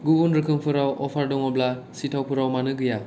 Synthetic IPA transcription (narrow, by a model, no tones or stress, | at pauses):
ɡubunɾɯkʰɯŋpʰɯɾawʔɔpʰaɾdɔŋɔblasitʰawpʰɯɾawmanɯɡɯja